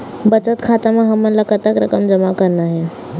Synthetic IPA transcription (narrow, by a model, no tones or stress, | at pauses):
bət͡ʃət̪kʰat̪amẽɦəmːənlakət̪əkɾəkəmd͡ʒəmakəɾnaɦɛ